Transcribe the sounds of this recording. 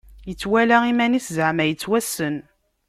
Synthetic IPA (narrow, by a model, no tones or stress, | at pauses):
jət͡sːwælæimæniszəʕmæjət͡sːwæsːən